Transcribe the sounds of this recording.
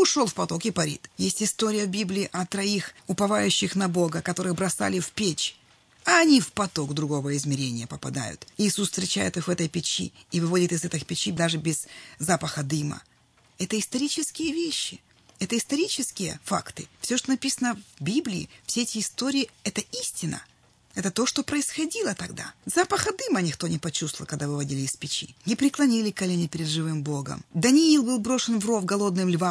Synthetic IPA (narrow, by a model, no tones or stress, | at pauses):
ʊʂo̞lˠfpɐt̪o̞kɪpɐɾʲḭt̪jesʲtʲɪst̪oɾʲɪjəvbʲiblʲɪːʔɐt̪ɾɐixʊpɐvajʉɕːɪxnɐbo̞ɡəkɐt̪o̞ɾɨɣbɾɐsa̰lʲɪfpʲet͡ɕ | ɐːnʲifpɐt̪o̞ɡd̪ɾʊɡo̞vəɪzmʲɪɾʲenʲɪjəpəpɐ̰d̪a̰jʊ̰t̪ɪːsusst̪ɾʲɪt͡ɕæjɪt̪ɨxvɛt̪əjpʲɪt͡ɕḭːvɨvo̞dʲɪt̪ɨzɛt̪ɨxpʲɪt͡ɕid̪aʐɨbʲɪz̥ːapəxəd̪ɨmə̰ | ɛt̪əɪst̪ɐɾʲit͡ɕɪskʲɪjəvʲeɕːɪ | ɛt̪əɪst̪ɐɾʲit͡ɕɪskʲɪjə̰fa̰kt̪ɨfsʲoʂt̪onɐpʲisənəvbʲiblʲɪɪ̰fsʲeɛtʲɪːst̪o̞ɾʲɪɪɛt̪əisʲtʲɪnə̰ | ɛt̪ət̪o̞ʂt̪opɾəɪsxɐdʲilˠət̪ɐɡd̪a̰zapəxəd̪ɨmənʲɪxt̪o̞nʲɪpɐt͡ɕust̪vəlˠkɐɡ̚d̪avɨvɐdʲilʲɪːspʲɪt͡ɕḭnʲɪpɾʲɪklˠɐnʲilʲɪkɐlʲenʲɪpʲɪɾʲɪd̪ʐɨvɨmbo̞ɡə̰md̪ɐnʲɪilˠbɨlˠbɾo̞ʂɨnvro̞vɡɐlˠo̞d̪nɨmlʲvam